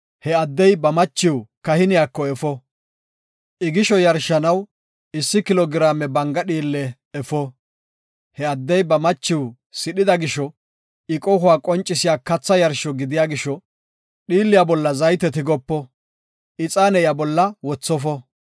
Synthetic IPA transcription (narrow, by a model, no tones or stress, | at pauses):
hɛɐd̪ːɛjbɐmɐt͡ʃːɪwkɐhɪnɪjaːkːɔɛfɔ | ʔɪɡɪʃɔjɐɾʃɐnɐw | ɪsːɪkɪlɔɡɪɾaːmɛbɐŋɡɐɗiːlːɛː | fɔ | hɛɐd̪ːɛjbɐmɐt͡ʃːɪw | sɪɗɪd̪ɐɡɪʃɔ | ɪkʼɔɦʊwaːkʼɔnt͡ʃʼːɪsɪjaːkɐt͡sːɐjɐɾʃɔɡɪd̪ɪjaːɡɪʃɔ | ɗiːlːɪjabɔlːɐzɐjt̪ɛt̪ɪɡɔpːɔ | ʔɪt͡sʼaːnɛjabɔlːɐwɔt͡sːɔfɔ